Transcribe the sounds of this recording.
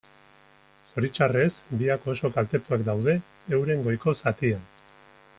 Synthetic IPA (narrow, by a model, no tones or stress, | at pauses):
so̞ɾit͡ʃare̞sbiako̞so̞kalt̪e̞t̪uakd̪awð̞e̞ː | wɾe̞ŋɡo̞jko̞sat̪ian